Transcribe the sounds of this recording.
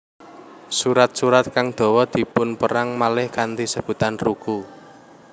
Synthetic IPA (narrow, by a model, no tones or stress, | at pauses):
suɾat̪̚suɾat̪̚kaŋd̪̥o̤wɔd̪̥i̤pʊnpəɾaŋmalɪhkant̪isəb̥ṳt̪anruɡ̥u